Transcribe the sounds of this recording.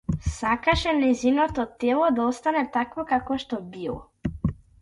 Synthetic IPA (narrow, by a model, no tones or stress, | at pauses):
sakaʃɛnɛzinɔt̪ɔt̪ɛlˠɔd̪aɔst̪anɛt̪akvɔkakɔʃt̪ɔbilˠɔ̰